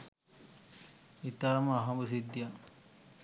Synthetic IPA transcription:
it̪aːmaɦabusid̪ija

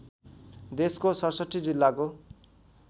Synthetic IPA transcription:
d̪eskosʌrsʌʈːid͡zilːako

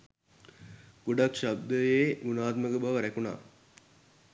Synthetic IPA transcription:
ɡ̥uɖakʃab̚d̪əjeːmunaːt̪məɡəbaʋəɾækuna̰ː

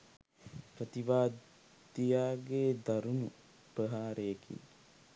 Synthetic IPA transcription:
pɾət̪iʋaːd | d̪ijaːɡeːd̪aɾunṵ | pəɦaːɾekʰḭ

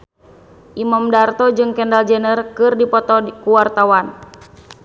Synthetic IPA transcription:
ʔimamdart̪ɔd͡ʒɨŋkɛndald͡ʒɛnərkɨrdipɔt̪ɔkuwart̪awan

